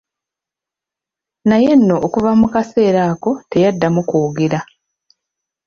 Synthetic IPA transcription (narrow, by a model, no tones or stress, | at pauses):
naje̞nːo̞ʔːkuvamukase̞ːɾaːko̞te̞jadːamukuːɡeɾa